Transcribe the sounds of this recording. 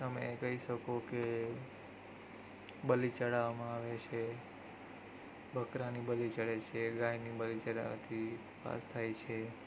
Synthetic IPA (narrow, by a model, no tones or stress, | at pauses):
t̪əmḛkəɦiʃəkoke | bəlit͡ʃəɽaʋamãaʋet͡ʃʰe | bʱəkɾanibəlit͡ʃəɽet͡ʃʰeɡãjnibəlit͡ʃəɽa̰ʋa̰t̪ʰi | pa̰st̪ʰajt͡ʃʰe